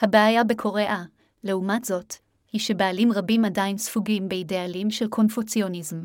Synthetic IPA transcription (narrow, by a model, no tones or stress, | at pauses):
habeajabe̞kʰo̞ʁeʔa | le̞umatz̥o̞t | hiʃe̞beːlimʁabimadainsfuɡimbeidealimʃelkʰo̞nfut͡sijo̞nizm